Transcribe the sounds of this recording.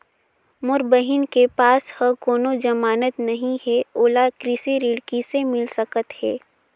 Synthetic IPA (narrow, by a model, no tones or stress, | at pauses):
mʊɾbəɦɪnkepaːshəkoːnod͡ʒɐmaːnət̪nɐɦĩɦɛoːlakɾɪsiɾɪɽkisemɪlsəkət̪hɛː